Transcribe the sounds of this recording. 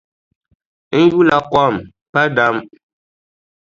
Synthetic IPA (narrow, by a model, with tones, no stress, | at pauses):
n̩˦ju˦la˨kɔ˦˨m | pa˦da˦m